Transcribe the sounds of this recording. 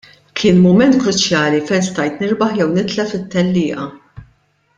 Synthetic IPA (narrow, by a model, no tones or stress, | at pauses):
kʰɪːnmʊmɛnt̪kɾʊt͡ʃjɐːlifɛjnst̪ɐjt̪nɪɾbɐħjɛwnɪt̪lɛfɪt̪ːɛlːɪːʔɐ